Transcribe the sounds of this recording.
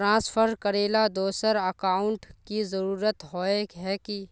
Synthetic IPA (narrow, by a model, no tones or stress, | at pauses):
ɾãːspʰəɾkəɾeːlad̪oːsəɾəkaːʊ̃ɳʈkizəɾuːɾət̪ɦoekɦɛki